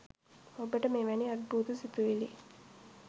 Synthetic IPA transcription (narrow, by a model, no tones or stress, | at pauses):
obəʈəmeːʋæniad̪̚buːt̪usit̪uʋili